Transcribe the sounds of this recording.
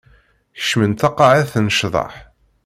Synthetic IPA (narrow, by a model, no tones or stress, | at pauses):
çə̥ʃmənt̪ɑqːɑʕæθnəʃðˤɑ̰ħ